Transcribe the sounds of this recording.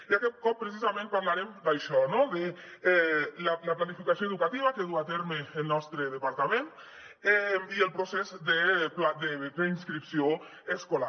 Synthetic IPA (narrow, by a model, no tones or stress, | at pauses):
iakɛt̪̚kɔpːɾesizamẽnpaɾlaɾemd̪ajʃɔnoðeɛlalaplanifikasijoeðukat̪iβ̞akeðuat̪eɾmeːlˠnɔst̪ɾeðəpaɾt̪amen | ɛiəlˠpɾosɛzd̪eplad̪epɾeinskɾipsio | eskola